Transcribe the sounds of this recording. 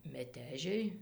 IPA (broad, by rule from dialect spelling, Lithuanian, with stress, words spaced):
mʲɛˈtʲæːʒʲɛɪ